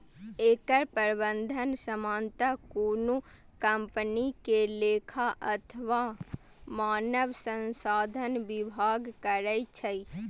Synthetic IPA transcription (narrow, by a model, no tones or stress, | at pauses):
eːkəɾpəɾbənd̪ʱənsəmaːnt̪akoːnu | kəmpənikeleːkʰaʔət̪ʰəʋa | maːnəʋsə̃nsaːd̪ʱənbɪbʱaɡkəɾəjt͡ʃʰəi